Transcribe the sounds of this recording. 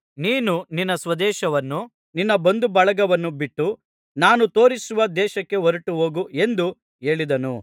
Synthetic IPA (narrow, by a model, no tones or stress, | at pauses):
niːnuninːɐsʋɐd̪ɛːʃɐʋɐnːu | ninːɐbɐnd̪ubɐɭɐɡɐʋɐnːubiʈːu | naːnut̪o̞ːɾisuʋɐd̪ɛːʃɐkːe̞ɦoɾuʈuɦo̞ːɡue̞nd̪u | e̞ːɭid̪ɐnṵ